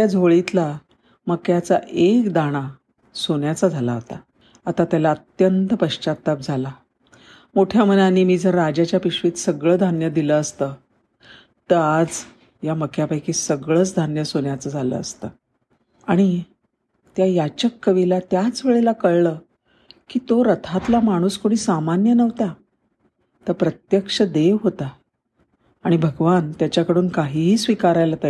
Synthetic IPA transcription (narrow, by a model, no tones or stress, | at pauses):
ad͡zʱoɭit̪la | məkjat͡saʔekd̪aɽ̃a | soɳjat͡sad͡zʱalaɦot̪aː | t̪at̪jalaət̪jənt̪əpəɕt͡ɕat̪ːap̚d͡zʱala | moʈʰjamənaniːmiːd͡zəɾːad͡ʑat͡ɕjapiɕʋiːt̪səɡɭəːd̪ʱanjəd̪iləːst̪əː | t̪əɾad͡z | jaməkʰjapajkiːsəɡɭəːt͡sd̪ʱanjəsoɳjat͡səːd͡zʱalə̰əst̪ə | aɽ̃i | t̪jajat͡ɕəkːəʋilat̪jat͡sʋeɭelakəɭɭəː | kiːt̪oɾət̪ʰat̪lamaɽ̃uːskoɽ̃iːsamanjənəʋt̪a | t̪əɾpɾət̪jəkʂəd̪eʋɦot̪a | ɽ̃ibʱəɡʋant̪jat͡ɕjakəɽuːnkaɦiɦiːsʋikaɾajlat̪əj